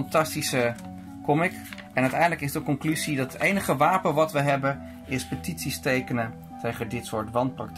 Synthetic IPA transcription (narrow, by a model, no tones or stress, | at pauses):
ntɑstisə | kɔmɪk | ɛnœɥtɛjndələkɪsdəkɔŋklyzidɑtətejnəχəʋaːpənʋɑtʋəɦɛbən | ɪspətitsistejkənə | tʰejχədɪtsʊːɹtʋɑntprɑk̚t